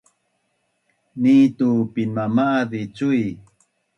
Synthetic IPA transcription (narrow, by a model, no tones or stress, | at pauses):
niːt̪upinmamaʔdit͡suj